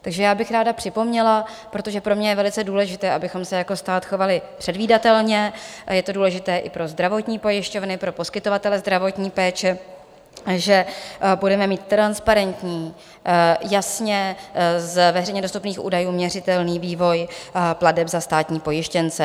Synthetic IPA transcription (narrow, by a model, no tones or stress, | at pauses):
t̪aɡʒɛjaːbɪxɾaːdapr̝̥ɪpo̞mɲɛla | pɾo̞t̪o̞ʒɛpɾo̞mɲɛjɛvɛlɪt͡sɛduːlɛʒɪt̪ɛːʔabɪxo̞msɛjako̞st̪aːt̪xo̞valɪpr̥ɛdviːdat̪ɛlɲɛjɛt̪o̞duːlɛʒɪt̪ɛːʔɪpɾo̞zd̪ɾavo̞t̪ɲiːpo̞jɪʃco̞vnɪpɾo̞po̞skɪt̪o̞vat̪ɛlɛzd̪ɾavo̞t̪ɲiːpɛːt͡ʃɛ | ʒɛbudɛmɛmiːt̪t̪ːɾanspaɾɛnt̪ɲiː | jasɲɛzvɛrɛjɲɛdost̪upniːxʔṵːdajuːmɲɛrɪt̪ɛlniːviːvo̞jpladɛbzast̪aːt̪ɲiːpo̞jɪʃcɛnt͡sɛ